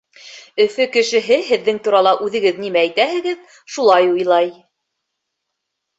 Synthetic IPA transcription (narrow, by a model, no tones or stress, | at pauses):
ɵ̆fɵkɘ̆ʃɘ̆ɦɘɦɘ̆ðːɘŋt̪uɾɑlˠɑʔʉðɘ̆ɡɘðnimææjt̪æɦɘ̆ɡɘð | ʃulˠɑjujlˠɑj